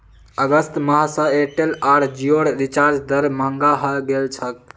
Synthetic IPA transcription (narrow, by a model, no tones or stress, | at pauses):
əɡəst̪məɦasəeʈelaɾd͡ʒioɽɾit͡ʃaɾd͡ʒd̪əɾməɦəŋɡaɦəɡelt͡ʃʰək